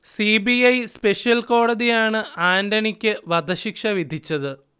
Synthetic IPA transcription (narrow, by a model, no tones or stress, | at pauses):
sibiɐjspe̞ʂijɐlko̞ːɽɐðijaːɳɨaːndɐɳikʲːɨʋɐd̪ʱɐɕikʂɐʋid̪ʱit͡ɕːɐðɨ